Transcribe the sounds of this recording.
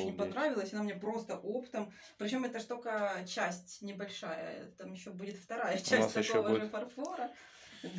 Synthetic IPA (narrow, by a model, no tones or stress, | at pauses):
ɪnʲɪpɐnɾavʲɪlˠəsʲɐnamnʲepɾo̞st̪əʔo̞pɨ̥t̪əm | pɾʲɪt͡ɕo̞mɛt̪əʂt̪okət͡ɕæsʲtʲnʲɪbɐlʲʂajə̰t̪amjɪɕːobudʲɪt̪ft̪ɐɾajət͡ɕæsʲt̪ʲɐsovəɾəfɐrfoɾə | d̪